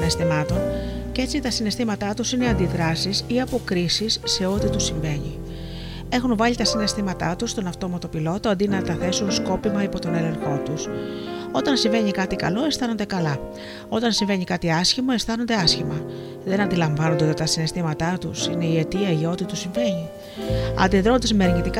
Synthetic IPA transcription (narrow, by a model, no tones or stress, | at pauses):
nest̪imɐt̪o̞nce̞t͡sit̪ɐsine̞st̪imɐt̪ɐt̪usineɐnd̪iðɾɐsisiɐpo̞kɾisisːe̞o̞t̪it̪usiɱve̞ɲi | e̞xunvɐʎit̪ɐsine̞st̪imɐt̪ɐt̪ust̪o̞nɐft̪o̞mɐt̪o̞pilo̞t̪oɐnd̪inɐt̪ɐθe̞sunsko̞pimɐipo̞t̪o̞ne̞le̞ŋxo̞t̪uso̞t̪ɐnsiɱve̞ɲikɐt̪ikɐ̰lo̞e̞st̪ɐno̞nd̪e̞kɐlɐ | o̞t̪ɐnsiɱve̞ɲikɐt̪iɐsçimo̞e̞st̪ɐno̞nd̪e̞ɐsçimɐ | ðe̞nɐnd̪ilɐɱvɐnond̪t̪t̪ɐsine̞st̪imɐt̪ɐt̪ṵsine̞ie̞t̪iɐʝeo̞t̪it̪usiɱve̞ɲi | ɐ̰nd̪iðɾo̞nd̪ezmeɾɲit̪ik